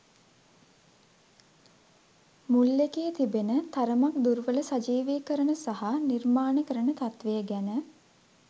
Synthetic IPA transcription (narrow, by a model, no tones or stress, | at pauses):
mulːekeːt̪ibenət̪aɾəmak̚d̪uɾʋələsad͡ʒiːʋiːkəɾənəsaɦanirmaːnəkəɾənət̪at̪ʋejəɡænə